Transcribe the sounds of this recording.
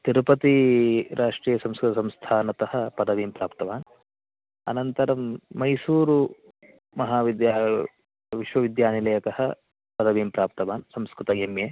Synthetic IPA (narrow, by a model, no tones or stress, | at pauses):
t̪iɾupɐt̪iɾʔaːʂʈɾiːjɐsɐmskɾut̪ɐsɐmst̪ʰaːnɐt̪ɐhɐ̆pɐd̪ɐʋiːmpɾaːpt̪ɐʋaːn | ɐ̰nɐnt̪ɐɾɐmːɐjsuːɾu | mɐɦaːʋid̪ja | ʋiʃʋɐʋid̪jaːnilɐjɐk̪ɐhɐ̰ | pɐd̪ɐʋiːmpɾaːp̚t̪ɐʋaːnsɐmskɾut̪ɐjemjeː